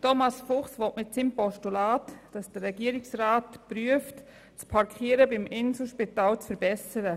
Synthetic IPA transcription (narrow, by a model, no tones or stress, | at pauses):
tɔmɑsfʊχsʋɔtmɪtsimpɔʃtulaːtd̥ɑsd̥əɾɛɡiəɾɪksraːtpɾyəft | t͡spʰɑɾkʰχiːəɾəbɪmɪnsl̩ʃpitaːlt͡sfəɾbɛsəɾə